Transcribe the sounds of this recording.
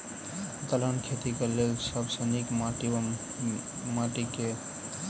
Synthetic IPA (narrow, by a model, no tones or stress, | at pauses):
t̪ələnkʰet̪ikelelsəbsənikmaʈi | maʈike